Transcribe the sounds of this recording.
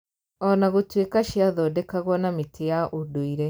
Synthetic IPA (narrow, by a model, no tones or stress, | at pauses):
ɔnaɣotwekaʃjaðɔdekaɣwɔnamitijaʔodoiɾe